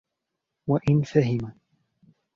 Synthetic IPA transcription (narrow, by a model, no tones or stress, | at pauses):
waʔɪnfaɦɪma